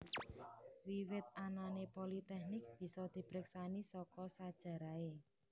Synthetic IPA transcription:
wiwɪt̪̚ananepolit̪ɛhnɪk̚b̥i̤sɔd̪̥i̤b̥ɾɪksanisɔkɔsad̥ʒ̥ä̤ɾae

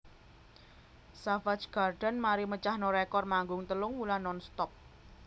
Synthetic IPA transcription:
safat͡ʃɡ̥arɖ̥ə̤nmaɾimət͡ʃahnoɾekɔrmaŋɡʊŋt̪əlʊŋmulanɔnst̪ɔp̚

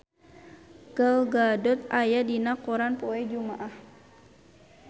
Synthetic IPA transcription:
ɡ̥əlɡadɔt̪̚ajadinakuɾanpɔɛd͡ʒumaʔah

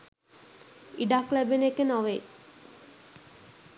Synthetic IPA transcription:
iɖaklɛbenekːenɔʋe

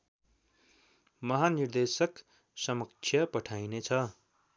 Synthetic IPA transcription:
mʌɦanird̪esʌk | sʌmʌk̚t͡sʰjʌpʌʈʰajnet͡sʰʌ

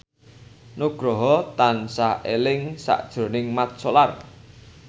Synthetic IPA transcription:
noɡ̥ɾɔɦɔt̪ansaʔelɪŋsa̰ʔd̥ʒ̥ɾo̤nɪŋmat̪̚solar

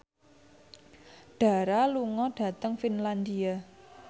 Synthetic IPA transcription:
ɖ̥a̤ɾaluŋɔɖ̥ä̤t̪əŋfinland̪ia

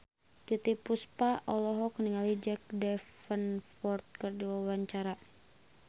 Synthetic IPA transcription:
t̪it̪ipuspaʔɔlɔɦɔkniŋalid͡ʒɛk̚dɛfənfɔrt̪̚kərduwawaɲt͡ʃaɾa

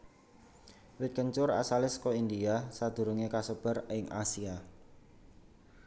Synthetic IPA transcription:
wɪt̪̚kəɲt͡ʃʊra̰salɪskɔind̪iasad̪̥ṳɾuŋekasəb̥ə̤rɪŋʔa̰sia

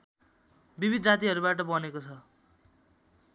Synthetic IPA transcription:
bibʱid̪̚d͡zat̪iɦʌɾubaʈʌbʌnekot͡sʰʌ

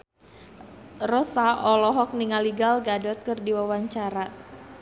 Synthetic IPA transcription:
rɔsaʔɔlɔɦɔk̚niŋaliɡalɡadɔt̪̚kɨrdiwawaɲt͡ʃaɾa

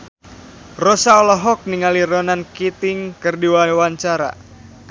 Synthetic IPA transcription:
rosaɔlɔɦɔk̚niŋaliɾɔnankit̪ɪŋkɨrdiwawaɲt͡ʃaɾa̰

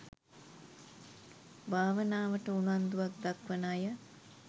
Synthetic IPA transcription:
bʱaːʋənaːʋəʈəunuand̪uʋak̚d̪akʋənaːjə

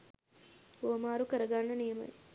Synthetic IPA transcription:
oːmaːɾukɐɾɐɡaːnɐnijɐmɐ̰j

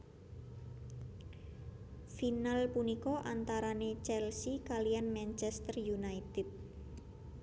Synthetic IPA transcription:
finalpunikɔʔant̪aɾanet͡ʃɛlsikalijanmant͡ʃɛst̪ərjunait̪ɛt̪̚

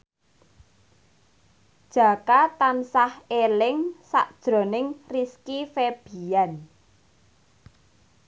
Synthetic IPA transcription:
d̥ʒ̥ä̤kat̪ansahelɪŋsa̰ʔd̥ʒ̥ɾo̤nɪŋriskifeb̥i̤an

